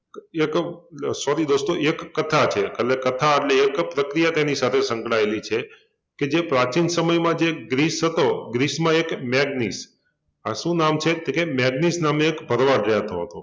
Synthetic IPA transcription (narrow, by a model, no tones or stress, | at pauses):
eksɔɾid̪ost̪oekːət̪ʰat͡ʃʰekəllekət̪ʰaəʈleːkpɾəkɾijat̪enisat̪ʰesə̃ŋkɽaelit͡ʃʰe | ked͡ʒepɾat͡ʃinsəməjmãd͡ʒeɡɾisɦət̪oɡɾismãekmɛɡnis | a̰ʃũnamt͡ʃʰet̪ekemɛɡnisnameːkbʱəɾʋaɾɾɛɦət̪oɦət̪o